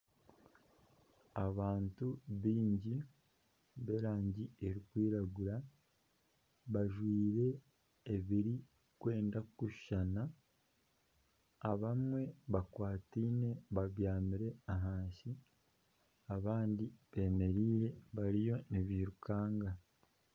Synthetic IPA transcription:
aβaːntuβiːɲɟi | βe̞ɾaːɲɟieɾikwiːɾaɡuɾa | βaʒwiːɾe̞ː | βiɾi | kwe̞ːndakuʃana | βamwe̞βakwaːtiːne̞βaβjaːmiɾe̞aɦaːnsi | aβaːndiβe̞ːme̞ɾiːɾe̞βaɾijo̞niβiɾukaːŋɡa

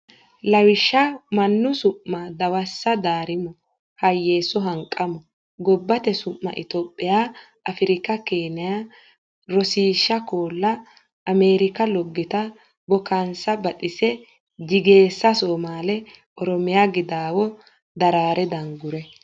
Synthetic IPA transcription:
lɐwɪʃːɐmɐnːʊsʊʔːad̪ɐwɐsːɐd̪aːɾɪmɔ | hɐjːe̞ːsɔɦɐŋkʼːɐmɔ | ɡɔbːɐt̪ɛsʊʔːɐ̰ʔɪt̪oːpʼːɪjaː | ɐfɪɾɪkɐkeːnɪja | ɾɔsiːʃːɐkoːlːɐ | ʔːme̞ːɾɪkɐlɔɡːɪt̪ɐ | bɔkansɐbɐtʼɪsɛ | d̪ɪɡe̞ːsːɐsoːmaːlɛ | ʔɔɾɔmɪjaɡɪd̪aːwɔ | d̪ɐɾaːɾʔɛd̪ɐŋɡʊɾɛ

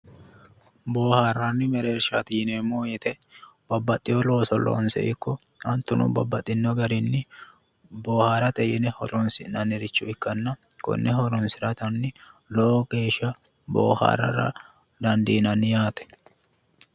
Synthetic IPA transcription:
bo̞ːhaːrːanːɪmɛɾeːɾʃɐ̰t̪iːneːmːoːjɛt̪ɛbɐbːɐt̪ʼːɪjolo̞ːsɔlo̰ːnsɛ̰ʔɪkːɔɐnt̪ːʊnʊ̰bɐbːɐt̪ʼːɪnːɔɡɐɾɪnːɪ | boːhaːɾɐt̪ɛjɪnɛhɔ̰lɔnsɪnɐnɪɾɪt͡ʃːʊɪkːɐnːɐkɔ̰nːɛhɔɾɔnsɪɾɐt̪ɐnːɪlɔʔoke̞ːʃɐ | bo̰ːha̰ːrːɐ̰ɾɐ̰d̪ɐnd̪iːnɐnːɪjaːt̪ɛ̥

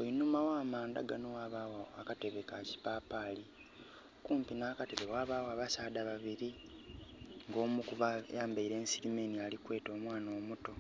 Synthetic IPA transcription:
ojinumawaːmaːnda̰ɡanowaβawoakate̞βe̞kaci̥paːpaːli | kuːmpinaːkate̞βewaːβaːwaβasaːdaβaβiɾi | ŋɡo̞ːmukuβa̰jaːmbaiɾe̞ːnsiɾimenialikwe̞ːto̞ːmwaːnoːmuto̞

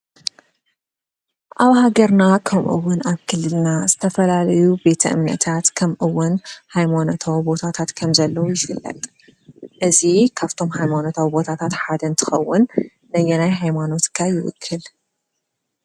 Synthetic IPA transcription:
ʔaβhaɡɐɾnakʰɐmʔɨ̰wːʊnaβkʰɨlːɨlnaz̥ɨt̪ʰɐfɐlalɐjube̞t̪ʰɐʔɨ̰mnɐ̰t̪ʰat̪kʰɐmʔɨwːʊnhajmanot̪ʰawbo̞t̪ʰat̪ʰat̪kʰɐmzɐlːɐwujɪfɨlːɐ̰t̪ʼ | ʔɨzikʰaβt̪ʰo̞mhajmano̞t̪ʰawbo̞t̪ʰat̪ʰat̪ħad̪ɐnt̪ʰɨ̥xɐwːʊnː | ɐjɛnajɦajmano̞t̪kʰajɪwʊ̰kʰːɨl

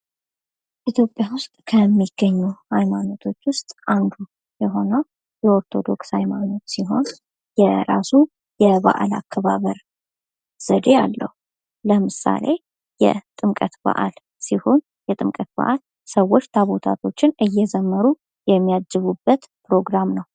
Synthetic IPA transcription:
ʔit̪ʰjo̞pʼːjawʊst̪ʼkʰəmːiɡ̥ːəɲːuhajmano̞t̪ʰo̞t͡ʃːwʊst̪ʼʔand̪u | jɛɦo̞nəw | jɛo̞ɾt̪ʰo̞d̪o̞kshajmano̞t̪siɦo̞n | jɛɾasu | jɛβa̰ʔa̰la̰kʰːəβaβəɾ | z̥əd̪e̞a̰lːə̰hu | ləmɨsa̰le̞ | jɛ̰t̪ʼɨmkʼət̪ba̰ʔa̰l | siho̞n | jɛt̪ʼɨmkʼət̪̚ba̰ʔal | səwːo̞t͡ʃːt̪ʰaβo̞t̪ʰa̰t̪ʰo̞t͡ʃːɪnʔɨjːɛzəmːəɾu | jɛmːijad͡ʒːɨβubːət̪ | pɾo̞ɡɾamnəw

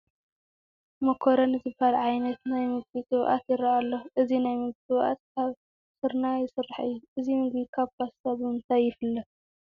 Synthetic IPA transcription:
mɐkʰoɾɐnɨzɨbalʕajnɐt̪najmɨɡ̚bit͡sʼɨwʔa̰t̪jɪɾaʔalːoʔɨzinajmɨɡt̪ʼɨwʔa̰t̪̚kʰaβ | sɨɾnajɪsɨrːaħɨ̰jːuʔɨzimɨɡbikʰaβkʰassabɨmɨnt̪ʰajːɪfɨlːɐ

